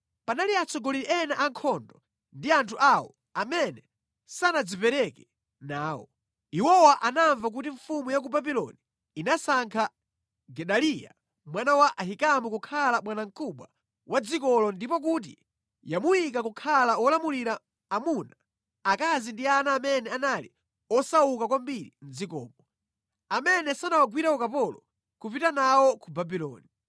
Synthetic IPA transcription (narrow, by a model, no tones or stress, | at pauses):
panaliat͡sʰɔɡɔliɾɛʔɛnaʔaŋkʰɔndɔ | ndiantʰuʔawɔ̰ | amɛnɛ | sanad͡zipɛɾɛkɛ | naːwɔ̰ | iwɔwaʔanaɱvak̬ut̬iɱfumujak̬ubabilɔ̰niː | nasaŋkʰa | ɡɛɗalija̰ | mwanawaʔaɦikamukukʰalaɓwanaŋ̩kuɓwa̰ | wad͡zikɔlɔndipɔk̬ut̬ḭ | jamuik̬akukʰalawɔlamuliɾaː | muna | akazindianaːmɛnɛanalḭ | ɔsawukakwambiɾḭn̩d͡zikɔ̰ːpɔ | amɛnɛsanawaɡwiɾaɔkapɔlɔ | kupitanawɔkubabilɔ̰ːni